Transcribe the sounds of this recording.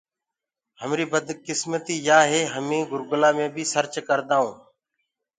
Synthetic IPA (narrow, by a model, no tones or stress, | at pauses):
ɦəmɾiːbəd̪kɪsmət̪iːjaːɦeːɦəmĩːɡʊɾɡʊlaːmẽːbʱiːsəɾt͡ʃkəɾd̪aːũː